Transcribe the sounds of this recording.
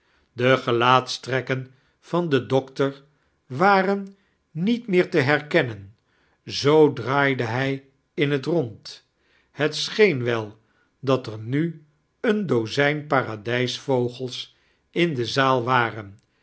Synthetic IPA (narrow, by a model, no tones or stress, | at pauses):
dəχəlaːtstrɛkən | v̥ɑndədɔktəɹ | ʋaːrənː | itmɪːɹtəɦɛɹkɛnən | zowdraːjdəɦɛj | ɪnɦətrɔnt | hətsχejnʋɛlˠ | dɑtəɹny | əndozɛjnpaːradɛjsfowχəlˠs | ɪndəzaːlˠʋaːrən